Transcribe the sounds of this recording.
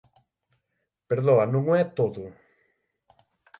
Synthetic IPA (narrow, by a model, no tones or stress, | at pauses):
peɾðoɐnũŋɛt̪oðʊ